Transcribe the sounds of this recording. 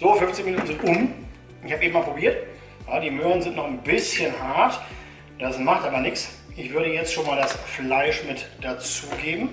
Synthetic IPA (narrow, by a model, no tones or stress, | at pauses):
z̥oːfʏmft͡sɪçminuːtn̩zɪntʔʊm | ɪçhaːpʔeːbm̩maːlpʁobiːɐt | jaːdiːmøːʁənzɪntnɔχnbɪsçənhaɐt | d̥asmaχtʔaːbɐnɪks | ʔɪçv̥ʏɐɾəjɛt͡stʃoːnmaːldasflaɪʃmɪtd̥at͡suːɡeːbm̩